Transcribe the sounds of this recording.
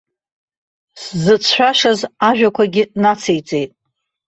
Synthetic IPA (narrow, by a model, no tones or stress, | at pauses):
szɨt͡sʰħʷᶣaʃazaʒᶣakʷaɡʲɪnat͡sʰejt͡sʼe̞jtʼ